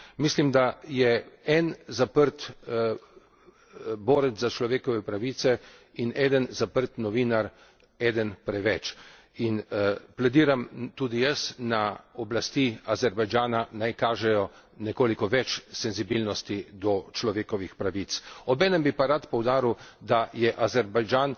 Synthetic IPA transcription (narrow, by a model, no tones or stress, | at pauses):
mislimd̪ajɛɛnzapəɾt̪ | boːɾɛt̪zzat͡ʃlɔʋeːkɔʋɛpɾaʋiːt̪sɛ | inɛd̪ənzapəɾt̪nɔʋiːnaɾ | ɛːd̪ənpɾɛʋɛt͡ʃ | inplad̪iːɾamt̪uːd̪ijəsnaɔblast̪iazɛɾbajd͡ʒaːnanajkaːʒɛjɔ | nɛkoːlikɔʋɛt͡ʃsɛnzibilnɔst̪id̪ɔt͡ʃlɔʋeːkɔʋixpɾaʋit̪sɔbɛːnɛmbipaɾat̪pɔwd̪aːɾiwd̪ajɛʔazɛɾbajd͡ʒaːn